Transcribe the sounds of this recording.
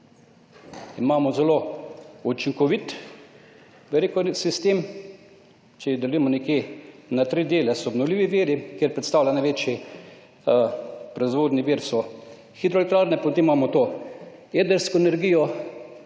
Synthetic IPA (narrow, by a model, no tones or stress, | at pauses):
imaːmɔzɛlout͡ʃiŋkɔʋit̪ | ʋɛɾekɔsist̪eːm | t͡ʃɛid̪ɛlujɛmɔnɛkjenat̪ɾid̪eːlɛsɔɔbnɔwlʲiːʋiʋiːɾikjeɾpɾɛt̪st̪aːwlʲanajʋeːt͡ʃi | pɾɔizʋoːd̪niʋiːɾsɔ | xid̪ɾɔlɛkt̪ɾaːɾnɛpɔt̪eːmmaːmɔt̪oːed̪əɾskɔenɛɾɡijɔ